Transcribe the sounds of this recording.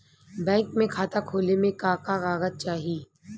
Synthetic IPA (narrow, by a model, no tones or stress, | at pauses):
bɛ̃ːŋkmẽkʰaːt̪akʰoːlemẽkaːkaɣaːɣət̪̚t͡ʃaːɦiː